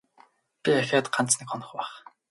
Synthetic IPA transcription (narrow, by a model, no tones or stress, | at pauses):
pʲiæxʲaːt̪ɢant͡snɘ̆kχɔnɞ̆χpæːχ